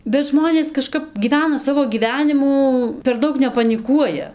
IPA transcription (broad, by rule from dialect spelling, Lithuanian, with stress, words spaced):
bʲɛt ˈʒmoːnʲeːs kɐˈʃkɐp ɡʲiːˈʋʲæːnɐ ˈsɑːʋoː ɡʲiːˈʋʲæːnʲɪmuː pʲɛr ˈdɐʊk nʲɛpɐnʲɪˈkuɔjɛ